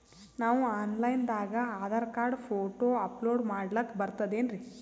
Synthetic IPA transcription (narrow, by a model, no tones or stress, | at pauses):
naːʋuaːnlɐjnd̪aːɡɐaːd̪ɐɾɐkaːɾɖpʰoːʈoːɐploːɖmaːɽlɐkːbɐɾt̪ɐd̪e̞ːnɾi